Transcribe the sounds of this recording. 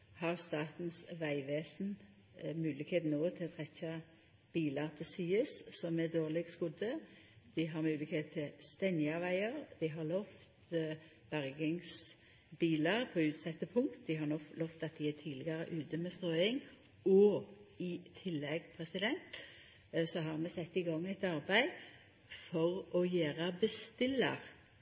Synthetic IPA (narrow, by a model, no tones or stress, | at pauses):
hɑʁst̪ɑːt̪n̩sʋæɪʋeːsn̩ | mʉːlɪkheːt̪noːt̪ʰɪlt̪ʰʁɛçɑ | b̥iːlɑʁt̪ʰɪsyːəssɔmɛd̪oːʁlɪɡskʊd̪ə | d̪̥ɪɦɑʁmʉːlɪkheːt̪t̪ʰːɪlst̪ɛnjɑʋæɪəʁd̪̥ɪɦɑʁlɔft̪ | b̥æʁɡɪŋs | biːləʁpʰɔʉːt̪sɛt̪ːəpʰʊŋt̪d̪ɪɦɑɾnɔlɔft̪ɑt̪̚d̪ɪæt̪ʰiːd̪lɪɡəɾə̰ʔʉːt̪əmɛst̪ʁoːɪŋ | ɔɪt̪ʰɪlːɛɡpʰʁɛsɪd̪ɛnt̪ | sɔɦɑʁɾmɛsɛt̪ːɪɡɑŋːæɪt̪ɑʁbæɪ | fɔʁɔjæːʁəbəst̪ɪlːəʁ